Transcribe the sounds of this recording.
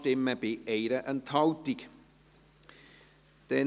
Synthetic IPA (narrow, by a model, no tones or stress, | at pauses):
tɪməbiejɾəʔənt̪ʰawd̪iɡ̥ | d̪̥ɛː